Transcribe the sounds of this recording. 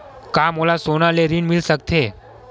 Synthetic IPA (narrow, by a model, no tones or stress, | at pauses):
kamolasonaleɾinmɪlsəkt̪ʰe